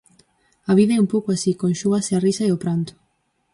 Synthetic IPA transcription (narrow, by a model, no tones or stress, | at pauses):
aviveumpɔkwasikonʃuasearisaeopɾant̪o̥